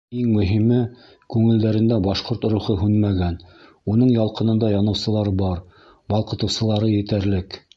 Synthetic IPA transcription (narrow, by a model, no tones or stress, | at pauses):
iŋmɵ̆ɦimɘ | kʉŋɘ̆ld̪æɾɘ̆nd̪æbɑʃqoɾt̪ɾuχɤɦʉnmæɡæn | unɤɴjɑlˠqɤ̆nɤ̆nd̪ɑjɑnɤ̆wsɤ̆lˠɑɾbɑɾ | bɑlˠqɤ̆t̪ɤ̆wsɤ̆lˠɑɾɤjɘ̆t̪æɾlɘk